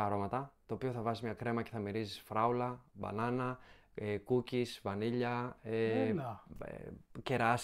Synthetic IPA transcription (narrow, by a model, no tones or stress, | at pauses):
ɐɾo̞mɐt̪ɐt̪o̞ːpioθɐvɐzimɲɐkɾe̞mɐce̞θɐmiɾizisfɾɐulɐbɐ̰nɐnɐ | ekucisvɐniʎɐḛ | ce̞ɾɐs